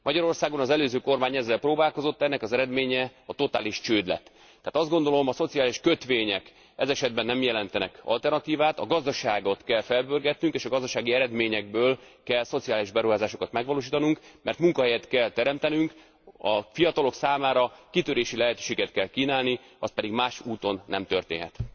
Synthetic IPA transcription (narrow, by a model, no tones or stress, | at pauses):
mɒɟɒɾo̞rsaːɡo̞nɒzɛløːzøːko̞rmaːɲɛzːɛlproːbaːlko̞zo̞t̪ːɛnːɛkɒzɛɾɛd̪meːɲɛɒt̪o̞t̪aːliʃt͡ʃøːd̪lɛ̰t̪ː | ɛaːt̪ɒzd̪ɡo̞n̪d̪o̞lo̞mɒso̞t̪sijaːliʃkøt̪ʋeːɲɛk | ɛzɛʃɛd̪̚bɛnːɛmjɛlɛnt̪ɛnɛ̰kɒ̰lt̪ɛrnɒt̪iːvaːt̪ɒɡɒzd̪ɒʃaːɡo̞t̪kɛlfɛlbørɡɛt̪nyŋkeːʃɒɡɒzd̪ɒʃaːɡiɛɾɛd̪meːɲɛɡ̚bøːl | kɛlso̞t̪siaːliʒbɛɾuɦaːzaːʃo̞kɒt̪mɛɡʋɒloːʃ̬iːt̪ɒnuŋkmɛrt̪muŋkɒɦɛjɛt̪kɛlt̪ɛɾɛmt̪ɛnyŋk | ɒfijɒt̪ɒlo̞ksaːmaːɾɒkit̪øɾeːʃilɛɦɛt̪øːʃeːɡɛt̪kɛlkiːnaːlni | ɒ̰st̪pɛd̪iɡmaːʃuːt̪o̞nːɛmt̪ø̰rt̪ḛːnɦɛ̰t̪